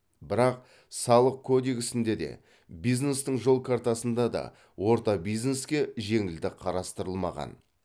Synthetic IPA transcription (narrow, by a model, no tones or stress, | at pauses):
bɪɾɑq̚ | sɑlˠəq̚kʰod̪iɡʲɪsɪnd̪e̞d̪e̞̰ | bijzne̞st̪əɴʒo̞lˠkʰaɾt̪ɑsənd̪ɑd̪ɑ̰ | wo̞ɾt̪ɑbijzne̞skʲe̞ʒe̞ŋɪld̪ɪqʰɑɾɑst̪əɾəlˠmɑ̰ʁɑ̰n